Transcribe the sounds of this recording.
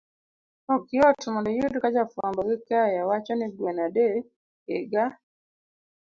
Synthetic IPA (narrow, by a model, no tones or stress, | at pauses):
ɔkiɔtumɔndɔjudkad͡ʒafambaɡɪkajawat͡ʃaniɡwenade | eɡa